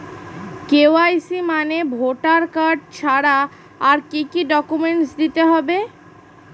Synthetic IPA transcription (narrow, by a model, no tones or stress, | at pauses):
keoajsimanebʱoʈaɾkaɾɖ̚t͡ɕʰaɽaː | ɾkikiɖɔkumeɳʈsd̪it̪eɦɔbe